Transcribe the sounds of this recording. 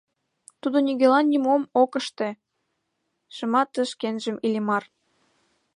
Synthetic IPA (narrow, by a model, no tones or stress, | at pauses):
t̪ud̪oniɣelɑnːʲimomokə̆ʃt̪e̽ | ʃɤ̆mɑt̪ə̆ʃkenʒə̆milʲemɑr